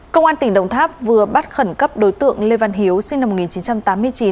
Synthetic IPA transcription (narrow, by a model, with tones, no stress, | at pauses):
kə˧wʔaː˧nt̪ï˩ŋ̟ɗə̰˧˩wŋ͡mt̪ʰaː˦˥p̚vɨ˨˩əɓa˦˥t̚xə˧˩nkə˦˥p̚ɗo˨˦jt̪ɨ̰˧˨əŋle˧va˧˩nɦi˨˦əwsi˧ŋna˧mo˨˩ŋi˨˩nt͡ɕi˨˦nt͡ɕa˧mt̪aː˨˦mːɨ˧əjt͡ɕi˨˦n